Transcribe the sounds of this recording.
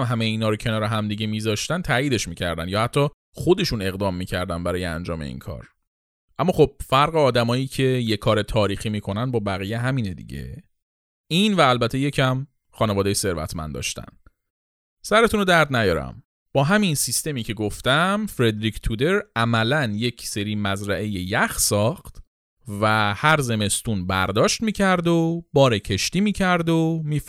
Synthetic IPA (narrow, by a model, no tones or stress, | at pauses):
mɦæmejeiːnɒːɾocʰe̞nɒːɾeɦæmd̪iɟe̞miːzɒʃt̪ænt̪ʰæːjiːd̪e̞ʃmiːcʰæɾd̪ænjɒːhæt̪ʰːɒ | χo̞d̪e̞ʃune̞ɣd̪ɒːmːiːcʰæɾd̪ænbæɾɒːjeæ̰nd͡ʒɒ̰ːmḛḭːnkʰɒ̰ːɾ | ʔæmːɒːxob̥̚fæɾɣeɒːd̪æmɒːjiːcʰe̞jekʰɒːɾe̞t̪ʰɒːɾiːximiːkʰo̞nænbɒːbæɣijeɦæmined̪ḭɟe̞̰ | invæːlbæt̪ʰe̞je̞cʰæm | χɒːnevɒːd̪ejese̞ɾvæ̰t̪ʰmæ̰nd̪ɒ̰ːʃt̪æ̰n | sæɾe̞t̪ʰuːnod̪æɾd̪næjɒːɾæ̰m | b̥ɒːɦæminsist̪e̞miːcʰe̞ɡoft̪æmfɾe̞d̪ɾiːcʰt̪ʰud̪e̞ɾæmælænjecʰse̞ɾiːmæzɾæʔe̞jejæxsɒːxt̪ | væhæɾze̞me̞st̪unbæ̰ɾd̪ɒːʃt̪miːcʰæɾd̪obɒːɾecʰe̞ʃt̪iːmiːcʰæɾd̪omiːf